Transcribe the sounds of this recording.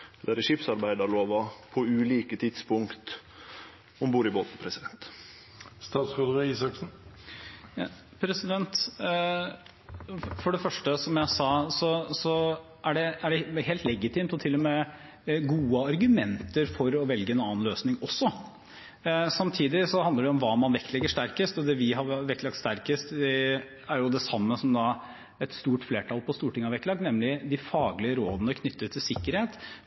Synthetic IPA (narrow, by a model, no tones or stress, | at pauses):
d̪ɛæɾʂɪpsɑɾbæɪd̪ɑɾɭoːʋɑpʰɔʉːliːkət̪ʰɪd̪spʰʊŋkt̪ | ɔmbuːɾɪboːt̪n̩pʰɾɛsɪd̪ɛnt̪ | st̪ɑːsod̪ʋɛiːsɑksn̩ | pʰɾɛsɪd̪ɛnt̪ | fɔɖɛfœʂʈəsɔmjæɪsɑːsɔsɔ | ʔæɖɛæɖɛheːlt̪lɛɡɪt̪ʰiːmt̪ɔt̪ʰɪlːɔmɛ | ɡuːəɑɾɡʉmɛnt̪əɾfɔɾɔʋɛlɡəɛnɑːnløːsnɪŋɔsːɔ | sɑmt̪ʰiːd̪ɪsɔhɑnd̪əɖɛɔmʋɑːmɑnʋɛkt̪lɛɡːəʂt̪æɾkəst̪ɔd̪ɛʋɪɦɑɾʋɛktlɑk̚t̪st̪æɾkəst̪ɛ | æɾjʊd̪ɛsɑmːəsɔmd̪ɑ | ɛt̪st̪uːʈfleːʈʰɑlpɔst̪uːʈɪŋɑʋɛktlɑknɛmlɪd̪ɪfɑːɡlɪəɾoːd̪ənəkʰnʏt̪ːət̪ʰːɪlsɪkːəɾheːt̪